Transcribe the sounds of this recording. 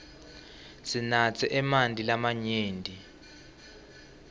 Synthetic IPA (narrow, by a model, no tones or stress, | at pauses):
sinat͡sʰɛʔɛmandʱʼilamaɲeːndʱi